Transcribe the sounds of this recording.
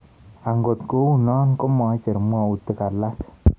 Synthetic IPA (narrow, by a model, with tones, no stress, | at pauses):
a˨ŋɡo˨tko˦u˨nɔ˦nkɔ˦mɔ˨˦t͡ʃɛ˨ɾmwɔ˦˨u˨tə˨ka˨la˦s